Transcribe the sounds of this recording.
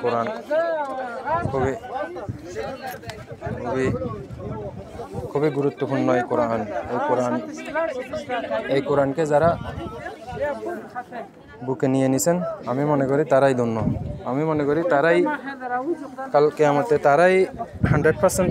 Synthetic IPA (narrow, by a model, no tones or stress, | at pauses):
kɔɾan | kʰubi | kʰubi | kʰubiɡuɹut̪ːɔpunnɔjkɔɾaʔanejkɔɾan | ejkɔɾankɛzaɾa | bukenijenisɛnamimɔnɛkɔɾitaɾajd̪unːɔamimɔnɛkɔɾitaɾaj | kalkɛamɔtɛtaɾajhandɹed̚pʰasɛnt